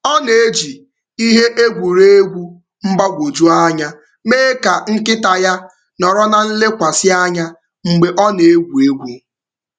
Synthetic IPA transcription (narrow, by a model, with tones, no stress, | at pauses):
ɔ˦ne˨e˦d͡ʒi˨ | i˦ɦe˦ʔe˦ɡʷu˨ɾe˦e˦ɡʷu˦ | m̩˦ba˦ɡʷo˨d͡ʒu˦a˦ɲa˦ | meː˦ka˨ŋ̩˦kɪ˦ta˨ja˦ | nɔ˨ɾɔ˦na˨n̩˦le˦kʷa˨sɪ˦a˦ɲa˦ | ŋ͡m̩˨ɡ͡be˨ʔɔ˦ne˨e˦ɡʷu˨e˦ɡʷu˦